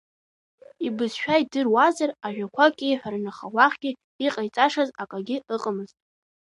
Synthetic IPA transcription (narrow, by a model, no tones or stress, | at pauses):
ibɨzʃᶣajdɨrwazaraʒᶣakʷʰakʲʼɪħʷarnaχawaχɡ̥ʲɪ | iqʼajt͡sʼaʂazakʼaɡʲɪɨqʼəmɨztʼ